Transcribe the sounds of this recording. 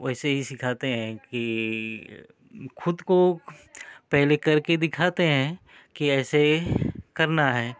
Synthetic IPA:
ɛːseɦisɪkʰaːt̪eɦɛ̃ki | xʊd̪ko | pɛɦlekɐɾked̪ɪkʰaːt̪eɦɛ̃ | kiɛːsekɐɾnaɦɛː

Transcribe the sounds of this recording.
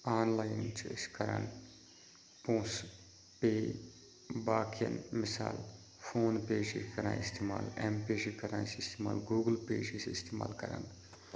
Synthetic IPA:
aːnlaːjɪnt͡ʃʰskɐɾə̰n | põːs | peː | baːkʰijə̰nmɪsa̰ːl | fʰoːnpeːʃikɐɾã̰ːɪst̪ʰeːma̰ːlɛmpeːʃikɐɾãnsɪst̪eːma̰ːlɡuːɡəlpḛːd͡ʒisɪst̪eːma̰ːlkɐɾə̰n

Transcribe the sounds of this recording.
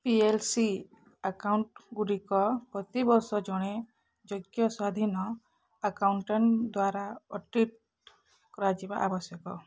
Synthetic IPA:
pielsi | akawɳʈɡuɽikɔpɾɔt̪ibɔɾsɔd͡ʒɔɽ̃e | d͡ʒoɡjɔswad̪ʱinɔ | akawɳʈɔɳd̪waɾaɔʈiʈ̚ | kɔɾad͡ʒiba̰ʔabɔsjɔkɔ

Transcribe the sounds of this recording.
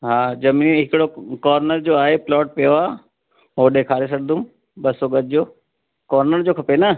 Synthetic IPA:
ɦaːd͡ʑɐmiɦɪkɪɽokɔːɾnəɾd͡ʑoːaːɦeplɔːʈ̚pɪjoaː | ɦoːɗẽkʰaːɾes̬ɐɽd̪um | ɓɐsoɡəd͡ʑoː | kɔːɾnəɾd͡ʑoːkʰɐpenə

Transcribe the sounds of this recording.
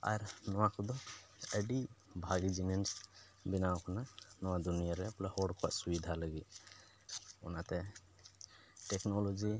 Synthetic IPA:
a̰ɾnɔwakʰɔd̪ɔɛɖibʱaɡid͡ʒinɛns | binaɔkʰananɔwad̪unijaɾɛplahɔɖkʰɔwa̰ʔsubid̪ʱaləɡi | ɔnat̪ɛ | ʈɛknɔlɔd͡ʒi

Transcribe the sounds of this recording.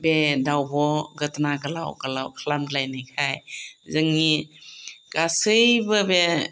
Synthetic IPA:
bedawbɔɡətnaɡala̰wɡalawkʰəlamdlajnɯkʰajzɯŋːi | kasɯjbɯbe

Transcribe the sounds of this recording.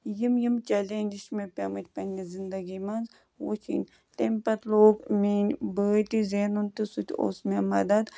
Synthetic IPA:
jimjimt͡ʃɐleːnʲd͡ʒiʃmepʲɐːmɨt͡ʃʰʲpɐnʲizind̪ɐɡimɐnz | wo̰t͡ʃʰḭnʲ | t̪empɐt̪loːɡmiːnbəːʈ̪izeːnunt̪isut̪ʲo̰ːsmemɐd̪ɐd̪

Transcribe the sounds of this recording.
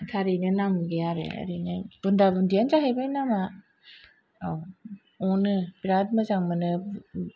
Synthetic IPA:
tʰaɾinɯnamɡejaɾḛa̰ɾinɯb̥undabundijanzaɦejbajnama | aw | ɔnɯbiɾad̚mɯzaŋmɯnɯ

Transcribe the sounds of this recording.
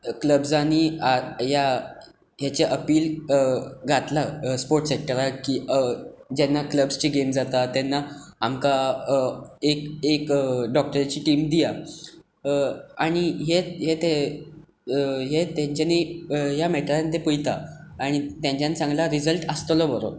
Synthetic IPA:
kləbsañiaja | jat͡seʔəpiːl | ɡʱat̪laspoɾʈsek̚ʈəɾakiː | d͡ʑɛnːakləbst͡ɕiːɡemd͡zat̪at̪ɛnːaamka | ekekɖɔk̚ʈəɾt͡ɕiːʈiːmd̪ija | aɽ̃iɦeɦet̪e | ɦet̪jãɲt͡ɕanijamɛʈəɾant̪epujt̪aː | ɽ̃it̪jãɲt͡ɕjãniːsãŋɡlaɾid͡zəlʈəst̪əlɔbəɾo̰

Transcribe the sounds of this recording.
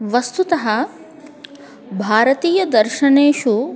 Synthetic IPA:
ʋɐst̪ut̪ɐɦɐ | bʱaːɾɐt̪iːjɐd̪ɐɾʃɐneːʃu

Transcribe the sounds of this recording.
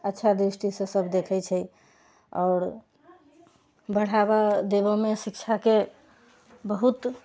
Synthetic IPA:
ətːʃʰad̪ɾisʈisẽsəbd̪ekʰɛt͡ʃʰɛ | ɔːɾ | bəɽ̤aβad̪ebɔmesik̚t͡ʃʰake | bəɦut̪

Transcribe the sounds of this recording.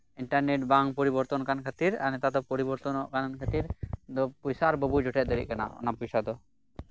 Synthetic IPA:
iɳʈaɾneʈ̚baŋpɔɾibɔɾt̪ɔnkankʰat̪iɾa̰nɛt̪ad̪ɔpɔɾibɔɾt̪ɔnɔʔkankʰət̪iɾd̪ɔpujsaɾbəbʱud͡ʒɔʈʰɛt̪̚ˀd̪əɾḭʔ̚kana̰ɔ̰napujsad̪ɔ

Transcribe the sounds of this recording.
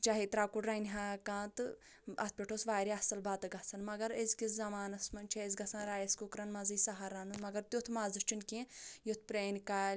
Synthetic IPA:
d͡ʒaɦit̪ɾaːkuɖɾɐnʲɦaːkãːt̪ɨ | ɐ̰t̪pʲeʈʰosʋaːɾiɐsɐlbaːt̪ɨɡɐsɐnmɐɡɐɾesɡiszɐmaːnɐsmɐnʲt͡ʃʰeez̬ɡɐsɐnɾaːjɐskukɾɐnmɐziːsɐɦaɾaːnunmɐɡɐɾt̪ʲut̪ʰmaːzɨʃt͡ʃinkẽjot̪̚ʰpɾeːnkaːlʲ

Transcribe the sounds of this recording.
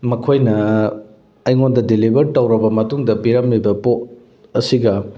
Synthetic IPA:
mɐkʰojnɐ | ɐjŋondɐdilibɐɾtɐwɾɐbɐmɐtuŋdɐpiɾɐmlibɐpot̚ | ɐsiɡɐ

